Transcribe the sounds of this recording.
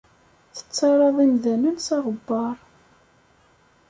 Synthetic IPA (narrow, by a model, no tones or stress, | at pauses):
θə̥t͡sːɑɾˤɑðˤimðænənsɑʁəbːɑɾˤ